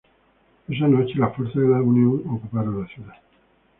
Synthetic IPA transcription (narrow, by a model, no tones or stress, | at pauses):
eʒanot͡ʃlafort̪saðelauniunokupaɾəlasjud̪a